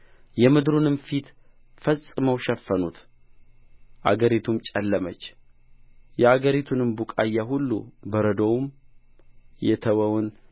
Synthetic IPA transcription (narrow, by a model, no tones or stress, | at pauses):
jɛmɨd̪ɾunɨmfit̪ | fəsʼɨməwʃɛfːənut̪ | ʔa̰ɡəɾit̪ʰumt͡ʃʼɛlːəmət͡ʃː | jɛaɡəɾit̪ʰunɨmbukʼajːaɦulːṵbəɾəd̪owm | jɛt̪ʰəwəwʊn